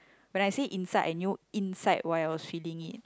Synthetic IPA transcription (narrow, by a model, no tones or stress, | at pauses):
wɛnajsiʔinsajʔanjuĩnsaɪtwajawɔsfilĩŋit̚